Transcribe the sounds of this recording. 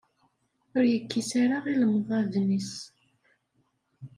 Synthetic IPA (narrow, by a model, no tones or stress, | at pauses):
ʊɾjəkːisaɾaʁiləmðˤæðnis